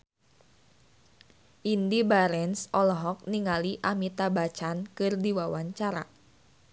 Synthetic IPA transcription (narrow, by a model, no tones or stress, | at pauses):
ʔindibaɾɛnsɔlɔɦɔk̚niŋaliʔamit̪abat͡ʃankɨrdiwawaɲt͡ʃaɾa